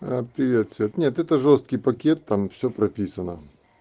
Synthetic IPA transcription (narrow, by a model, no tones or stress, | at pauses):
apɾʲɪvʲe̞t̪sʲvʲet̪nʲet̪ɛt̪əʐo̞st̪̚kʲijpɐkʲe̞t̪ːamfsʲopɾɐpʲisənə̰